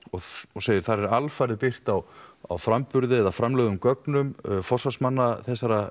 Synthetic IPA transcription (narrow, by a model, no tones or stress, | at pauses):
ɔɣɔseːjɪɾ̥θaɾɛɾalfajɾðɪpɪr̥t̪awa̰wfɾampʏɾðɪɛðafɾamlɛːɣʏmkœknʏmfɔrsasmanːaθɛsːaɾa